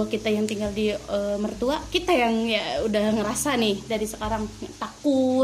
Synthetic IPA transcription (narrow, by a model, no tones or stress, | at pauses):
akit̪ajaŋt̪iŋɡaldiəmərt̪uakit̪ajaŋjaudahŋəɾasanɪhdaɾisəkaɾaŋt̪aku